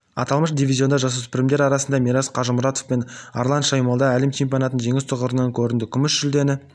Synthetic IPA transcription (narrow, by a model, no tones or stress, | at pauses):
ɑ̰t̪ɑlˠməʃd̪ivʲizʲjo̞nd̪ɑʒɑsospɪɾɪmd̪e̞ɾɑɾɑsənd̪ɑmʲiɾɑzqʰɑʒəmʊɾɑt̪ofpe̞nɑ̰ɾlˠɑnt̪ʃɑjmɑlˠd̪ɑælemt͡ʃʰimpʲionɑt̪ənʒe̞ŋɪst̪ʰəʁəɾənɑŋkʲʰɵɾɪnd̪ɪkʲʰʏmɪʃʒʏld̪e̞nɪ